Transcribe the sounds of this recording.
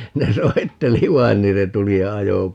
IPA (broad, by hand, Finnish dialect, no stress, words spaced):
ne soitːeli ʋɑin niːn se tuli jɑ ɑjo